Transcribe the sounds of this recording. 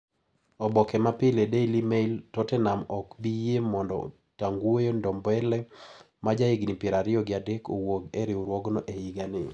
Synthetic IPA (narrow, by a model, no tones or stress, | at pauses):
ɔbɔkɛmapɪledeilimeiltɔtɛnamɔkbijemɔndɔ̰ | taŋɡwojondɔmbɛlɛ | mad͡ʒaɪɡnipjeɾaɾɪɔɡɪadekowoɡeɾɪoɾwɔɡnɔʔeiɡanɪ̰